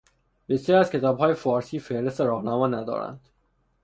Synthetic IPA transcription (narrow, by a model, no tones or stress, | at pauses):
b̥esɒːɾiæzcʰe̞t̪ʰɒːbhɒːjefɒːɾsiːfe̞ɾe̞st̪eɾɒːɣnæmɒːnæd̪ɒ̰ːɾæ̰nd̪̥